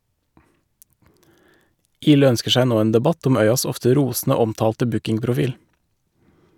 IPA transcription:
ˈiːlɛ ˈœnskə ˈsæɪ ˈnoː ˈeːn dɛˈbɑt ˈɔm ˈœʏɑs ˈɔftə ˈɾuːsn̩ə ˈɔmˌtɑːltə ˈbʉkɪŋpɾʊˌfiːl

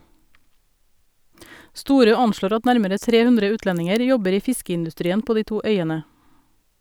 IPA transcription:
ˈstuːɾøː ˈɑnʃloːɾ ˈɑt ˈnæɾməɾə ˈtɾeː ˈhʉndɾə ˈʉːtlɛnɪŋəɾ ˈjɔbəɾ ˈiː ˈfɪskəɪndʉˌstɾiːən ˈpoː ˈdiː ˈtuː ˈœʏənə

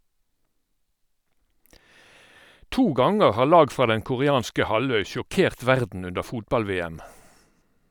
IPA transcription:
ˈtuː ˈɡɑŋəʁ ˈhɑːʁ ˈlɑːɡ ˈfʁɑː ˈdɛŋ kʊʁɪˈɑːnskə ˈhɑˌlœʏ ʃʊˈkeːʁt ˈʋæʁdn̩ ˈʉndə ˈfuːtbɑlˌʋeːæm

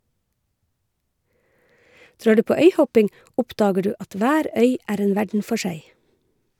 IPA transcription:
ˈdɾɑː ˈɖʉː ˈpoː ˈœʏˌhɔpɪŋ ˈʔɔpˌdɑːɡə ˈɖʉː ˈɑt ˈʋæːɾ ˈœʏ ˈʔæːɾ ˈeːn ˈʋæɖɳ̩ ˈfɔ ˈʃæɪ

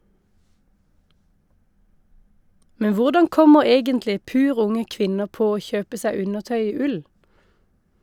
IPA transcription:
ˈmɛn ˈʋʊʁdɑŋ ˈkɔməʁ ˈeːɡəntlɪ ˈpʉːʁ ˈʊŋə ˈkʋɪnəʁ ˈpoː ˈoː ˈçøːpə ˈsæ ˈʉnəʁˌtœʏ ˈiː ˈʉl

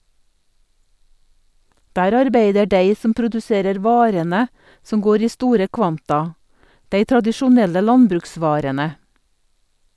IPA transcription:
ˈdæːɾ ɑɾˈbeɪdə ˈɖeɪ ˈsɔm pɾʊdʉˈseːɾəɾ ˈʋɑːɾənə ˈsɔm ˈɡoːɾ ˈiː ˈstuːɾə ˈkʋɑntɑ ˈdeɪ tɾɑdɪʃʊˈnɛlə ˈlɑnbɾʉkˌsʋɑːɾənə

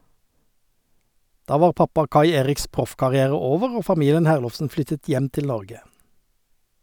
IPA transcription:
ˈdɑː ˈʋɑːʁ ˈpɑpɑ ˈkɑɪ ˈeːʁɪks ˈpʁʊfkɑʁɪˌæːʁə ˈoːʋəʁ ˈoː fɑˈmiːlən ˈhæːʁlɔfsn̩ ˈflʏtət ˈjɛm ˈtɪl ˈnɔʁɡə

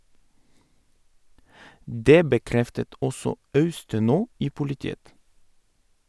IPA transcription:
ˈdeː bəˈkɾɛftət ˈʔɔsɔ ˈɑʉstəˌnoː ˈiː pʊlɪˈtiːət

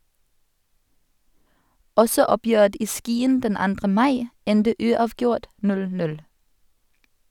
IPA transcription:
ˈɔsɔ ˈɔˌpjøːət ˈiː ˈskiːən ˈdɛn ˈɑndʁə ˈmɑɪ ˈɛndə ˈʉːˌɑːʋˌɡjʊʁt ˈnʉl ˈtɪl ˈnʉl

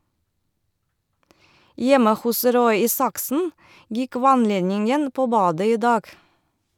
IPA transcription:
ˈjɛmə ˈhʊs ˈɾɔʏ ˈiːsɑksn̩ ˈjɪk ˈʋɑnˌleːnɪŋən ˈpoː ˈbɑːdə ˈiː ˈdɑːɡ

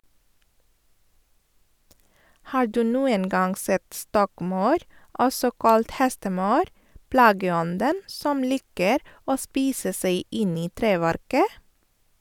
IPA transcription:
ˈhɑːɾ ˈdʉː ˈnuːən ˈɡɑŋ ˈsɛt ˈstɔkˌmɑʉɾ ˈɔsɔ ˈkɑlt ˈhɛstəˌmɑʉɾ ˈplɑːɡəˌɔndən ˈsɔm ˈliːkəɾ ˈoː ˈspiːsə ˈsæɪ ˈɪn ˈiː ˈtɾeːˌʋæɾkə

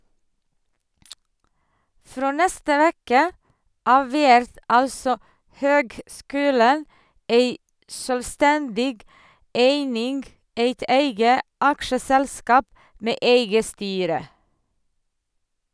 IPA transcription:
ˈfɾoː ˈnɛstə ˈʋeːkə ˈɑːʋ ˈʋæɾt ˈɑlsɔ ˈhøːɡˌskʉːlən ˈeɪ ˈsøːlˌstɛndɪɡ ˈeɪnɪŋɡ ˈeɪt ˈeɪɡə ˈɑkʃəsɛlˌskɑːp ˈmeː ˈeɪɡə ˈstyːɾə

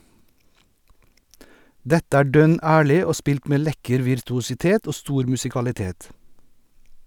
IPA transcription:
ˈdɛtə ˈæː ˈɖœn ˈæːɭɪ ˈoː ˈspɪlt ˈmeː ˈlɛkəɾ ʋɪɾtʊsɪˈteːt ˈoː ˈstuːɾ mʉsɪkɑlɪˈteːt

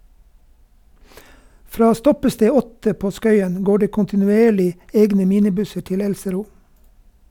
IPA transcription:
ˈfɾɑː ˈstɔpəˌsteː ˈɔtə ˈpoː ˈskœʏən ˈɡoː ˈɖeː kʊntɪnʉˈeːɭɪ ˈeːɡnə ˈmiːnɪˌbʉsəɾ ˈtɪl ˈɛlsəˌɾuː

